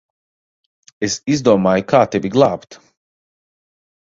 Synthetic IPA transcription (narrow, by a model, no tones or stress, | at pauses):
esizd̪uɔmaːjukaːt̪ɛvʲiɡlˠaːpt̪